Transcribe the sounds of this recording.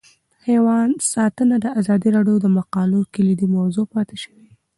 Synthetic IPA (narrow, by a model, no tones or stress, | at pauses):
hewɑnsɑt̪ənad̪əazɑd̪iɾɑɖjod̪əmaqɑlukɪlid̪imawzopɑt̪eʃəwi